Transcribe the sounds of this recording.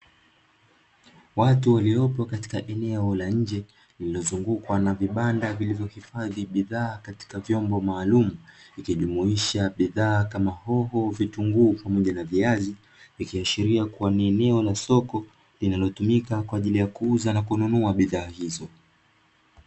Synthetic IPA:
watuwaliɔpɔkati̥kaʔɛnɛɔlaɲ̩d͡ʒɛ | lililɔzuŋɡukwanaviɓandavilivjɔhifaðiɓiðaːkati̥kavjɔmbɔmaːlumuikiʄumuiʃaɓiðaːkamahɔɦɔvituŋɡuːpamɔʄanaviazi | vikiaʃiɾiakuaniɛnɛɔlasɔkɔ | linalɔtumikakwaːʄilijakuuzanakununuaɓiðaːhizɔ

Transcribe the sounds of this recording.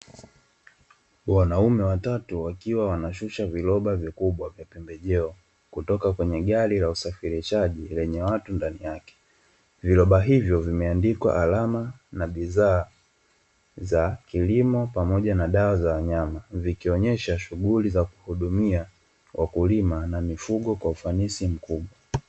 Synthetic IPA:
wanaumɛwatatuwakiwawanaʃuʃavilɔɓavikuɓwavjapɛmbɛʄɛɔ | kutɔkakwɛɲɛɠaɾilausafiɾiʃaʄilɛɲɛwatundanijakɛ̥ | vilɔɓaɦivjɔvimɛandikwa̰ʔalamanaɓizaː | zakilimɔpamɔʄanaɗawazawaɲamavikiɔɲɛʃaʃuɣulizaku̥huɗumia | wʔakulimanamifuɠɔkwaufanisim̩kuɓwa

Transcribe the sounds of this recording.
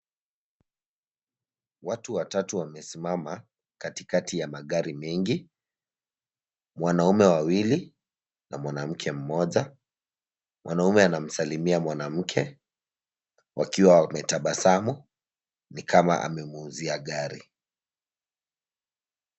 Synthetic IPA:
watuwatatuwamɛsimama | katikatijamaɠaɾimɛŋɡi | mwanaumɛwawili | namwanam̩kʰɛm̩mɔʄa | mwanaumɛanam̩salimiamwanam̩kʰɛ | wʔakiwawamɛtaɓasamɔ | nikʰama̰ʔa̰mɛmuːziaɠaɾḭ

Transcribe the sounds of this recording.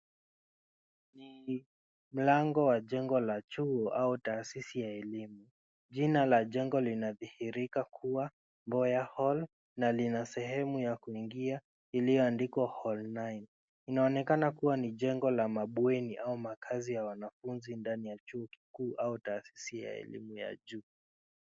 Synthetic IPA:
ni | m̩laŋɡɔwaʄɛŋɡɔlat͡ʃuɔʔautaːsisijaɛlimu | ʄinalaʄɛŋɡɔlinaðihiɾikakʰuwa | mbɔjahɔl | nalinasɛhɛmujakuiŋɡia | ilijɔandikɔhɔlnajn | inaɔnɛkanakuwaniʄɛŋɡɔlamaɓwɛniʔaumakʰazijawanafunzindanijat͡ʃuɔki̥kuːʔautaːsi̥sija̰ɛ̰lḭmuja̰ʄuː

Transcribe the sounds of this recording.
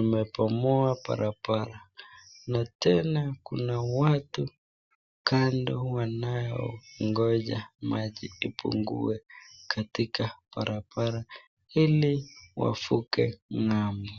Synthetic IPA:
nimɛpɔmɔapa̰ɾʔapaɾanatɛnakunawatu | kandɔwanajɔŋɡɔʄamaʄiipʰṵŋɡṵɛkʰatikapaɾapaɾa | iliwa̰fukɛŋami

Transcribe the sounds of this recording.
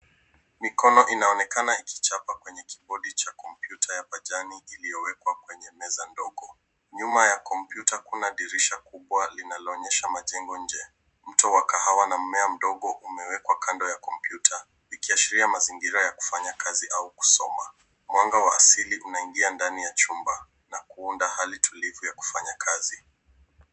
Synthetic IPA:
mikɔnɔʔinaɔnɛkanaikʰi̥t͡ʃapakwɛɲɛki̥ɓɔɗit͡ʃakɔmpjutʰajapaʄaniilijɔwɛkwakwɛɲɛmɛzandɔɠɔ | ɲumajakɔmpjutakunaɗiɾiʃakuɓwalinalɔːɲɛʃamaʄɛŋɡɔɲ̩d͡ʒɛ | m̩tɔwakahawanam̩mɛam̩ɗɔɠɔʔumɛwɛkwakandɔjakɔmpjutʰa | ikiaʃiɾiamaziŋɡiɾajaku̥faɲakʰaziʔauku̥sɔma | mwaŋɡawaːsiliʔunaiŋɡiandanijat͡ʃumba | nakuundahalitʰulivujaku̥faɲakʰazi

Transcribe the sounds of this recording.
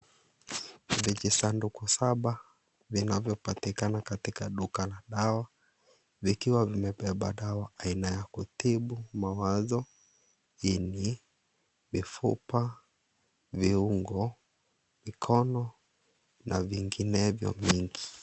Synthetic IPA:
vid͡ʒisandukusaɓa | vinavjɔpatikanakatikaɗukalaɗawa | vikiwavimɛpɛɓa̰ɗawaainajakutiɓumawazɔ | ini | mifṵpa | viuŋɡɔ | mikʰɔnɔ | nʔaviŋɡinɛvjɔ̰miŋɡi

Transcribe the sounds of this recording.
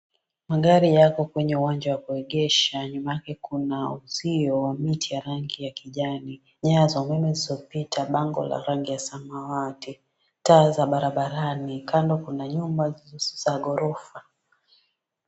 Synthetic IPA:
maɠaɾijakɔkwɛɲɛuwaɲd͡ʒawakuɛɠɛʃaɲumajakɛkunauziɔwamitʰijaɾaŋɡijakiʄani | ɲazaumɛmɛzizɔpitʰaɓaŋɡɔ̰la̰ɾaŋɡijasamawati | taːzaɓaɾaɓaɾanikʰandɔkunaɲumbazaɠɔɾɔfa

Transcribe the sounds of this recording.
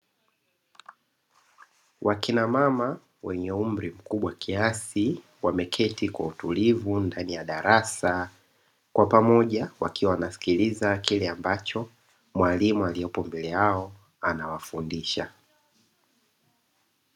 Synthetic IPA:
wʔakinamama | wɛɲɛum̩ɾim̩kuɓwakʰiasi | wamɛkʰɛtikwa̰utulivundanijaɗaɾasa | kwapamɔʄawakiwawanasi̥kilizakilɛambat͡ʃɔ | mwalimualijɔpɔmbɛlɛaɔ | anawafundiʃa̰

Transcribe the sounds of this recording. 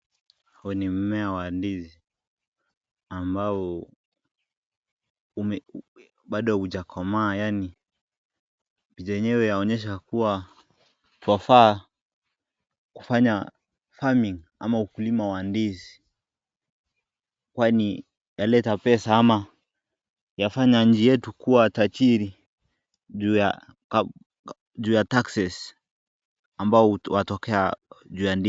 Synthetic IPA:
haɔnim̩mɛawandizi | ambaɔ | umɛ | ɓaɗɔuʄakʰɔmaːjani | piʄɛɲɛwɛjaɔɲɛʃ̬akuwa | twafa | ku̥faɲa | famiŋ | a̰maukulimawandizi̥ | kwani | jalɛtapɛsaama | jafaɲaɲ̩d͡ʒijɛtukuwatat͡ʃiɾi | ʄuːja | k | ʄuːjataksɛs | ambaɔwatɔkɛaʄuːjandi

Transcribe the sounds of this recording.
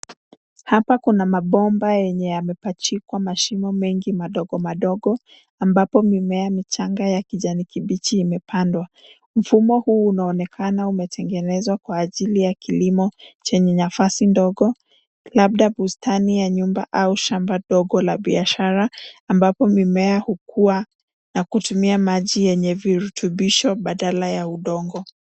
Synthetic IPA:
hapakunamaɓɔmbajɛɲɛjamɛpat͡ʃikwamaʃimɔmɛŋɡimaɗɔɡɔmaɗɔɡɔ | ambapɔmimɛamit͡ʃaŋɡajakiʄanikiɓit͡ʃiːmɛpʰandwa | m̩fumɔhuːnaɔnɛkʰanaumɛtʰɛŋɡɛnɛzwakwaːʄilijakilimɔt͡ʃɛɲɛnafasindɔɡɔ | lab̚ɗabustanijaɲumba̰ʔauʃambaɗɔɡɔlaɓiaʃaɾaːmbapɔmimɛahukʰuwa | nakutumiamaʄijɛɲɛviɾutʰuɓiʃɔɓaɗalajauɗɔŋɡɔ

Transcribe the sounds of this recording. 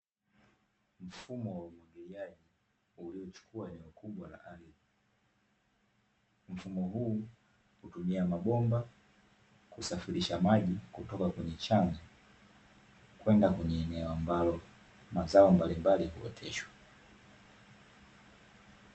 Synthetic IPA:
m̩fumɔwaumwɔŋɡɛliaʄi | uliɔt͡ʃu̥kʰuaɛnɛɔkʰuɓwala̰ʔalii | m̩fumɔɦuː | hutumiamaɓɔmba | kusafiɾiʃamaʄikutɔkakwɛɲɛt͡ʃaŋa | kwɛndakwɛɲɛːnɛɔambalɔ | mazaɔmbalimbalihṵɔ̰tʰɛʃwḁ

